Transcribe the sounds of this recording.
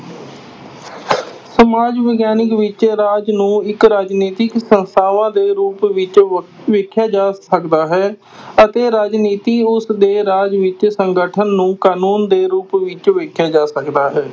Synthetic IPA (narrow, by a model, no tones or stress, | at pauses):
səmaːd͡ʒʋəɡjaːnɪkʋɪt͡ʃɾaːd͡ʒnũːɪkɾaːd͡ʒniːt̪ɪksənst̪ʰaːʋãːd̪eːɾuːpʋɪt͡ʃ | ʋɪkʰːjaːd͡ʒaːəkd̪aːɦɛː | ət̪eːɾaːd͡ʒniːt̪iːʊsd̪eːɾaːd͡ʒʋɪt͡ʃsəŋɡəʈʰənːũːkaːnuːnd̪eːɾuːpʋɪt͡ʃʋɪkʰjaːd͡ʒaːsəkd̪aːɦɛː